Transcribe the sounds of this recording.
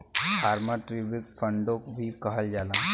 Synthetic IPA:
pʰaːɾmaʈɾibɪkfʰə̃ɳɖõkbʱikɐɦəld͡ʒaːlaː

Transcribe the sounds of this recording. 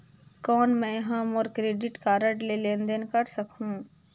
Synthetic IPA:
kɔːnmɛ̃ːɦãmoːɾkɾeːɖɪʈkaːɾəʈlelẽːnd̪ənkɐɾsəkʰũː

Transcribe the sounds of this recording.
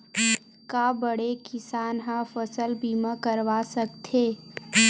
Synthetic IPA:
kaːbəɽekɪsaːnɦãfəsəlbiːmãkəɾʋaːsɐkt̪ʰeː

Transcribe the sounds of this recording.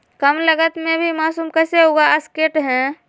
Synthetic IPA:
kəmləɡət̪mẽbʱimaːsuːmkɛːseɦoːɡaəskeːʈɦɛ̃

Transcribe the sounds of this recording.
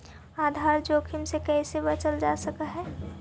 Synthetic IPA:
aːd̪ʱaːɾd͡ʒoːkʰimsekɛɪsebət͡ʃəld͡ʒasəkaɦɛː

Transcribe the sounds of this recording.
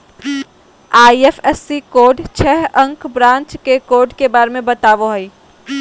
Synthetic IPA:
aːiefɛsːikoːɖt͡ʃʰɛɦɐ̃ŋkbɾãːɲt͡ʃkekoːɾɖkebaːɾemẽbɐt̪aːʋoɦɐiː

